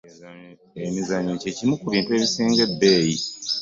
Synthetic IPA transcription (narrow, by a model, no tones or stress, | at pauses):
emizaɲece̞cimukuβiːntue̞ːβisiːŋɡe̞bːe̞ːji